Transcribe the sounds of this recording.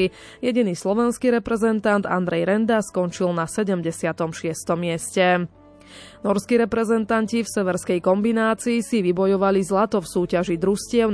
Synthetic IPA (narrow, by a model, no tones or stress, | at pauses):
i | jɛɟiniːslɔʋɛnskiɾɛpɾɛzɛnt̪and̪a̰nd̪ɾɛjɾɛnd̪askɔnt͡ʃilnasɛɟɛmɟɛsɪat̪ɔmʃɪɛst̪ɔmːɪɛscɛ | nɔɾskiɾɛpɾɛzɛnt̪ancifsɛʋɛɾskɛjkɔmbinaːt͡siːsiʋibɔjɔʋalizlat̪ɔfsuːcaʒid̪ɾuscɪɛʊn